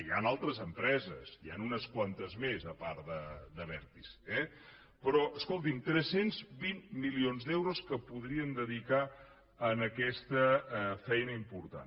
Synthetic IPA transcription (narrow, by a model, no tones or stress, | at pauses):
ja̰nalˠt̪ɾəzəmpɾɛzə̰zia̰nunəskwant̪əzmezəpaɾd̪əd̪əβɛɾt̪isɛ | pɾɔʔəskolˠt̪imt̪ɾɛsenzbinmilionzd̪ɛwɾoskəpuð̞ɾiənd̪əðika | ənəkɛst̪əfɛjnəimpuɾt̪a̰n